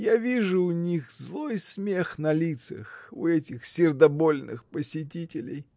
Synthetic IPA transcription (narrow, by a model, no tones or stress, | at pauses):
javʲiʐʊːnʲixzlˠojsmʲe̞xnɐlʲit̪sɨ̰xʊ̰ɛtʲɪxsʲɪrd̪ɐbolʲnɨ̰xpəsʲɪtʲitʲɪlʲɪ̰j